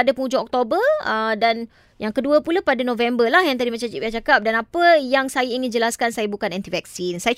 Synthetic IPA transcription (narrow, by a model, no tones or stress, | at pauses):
adapəŋud͡ʒuɔk̚t̪obəədan | jaŋkəduəpulapadanõvɛmbəlahjaŋt̪adimãt͡ʃamt͡ʃipiat͡ʃakap̚danapəjaŋsajaiŋɪ̃nd͡ʒəlaskansajabukanɛ̃nt̪ivɛk̚sinsaja